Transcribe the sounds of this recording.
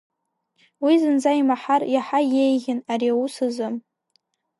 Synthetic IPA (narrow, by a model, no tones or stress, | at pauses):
wizɨnd͡zaimaħarjaħajejɣʲɪnaɾiausɨzɨm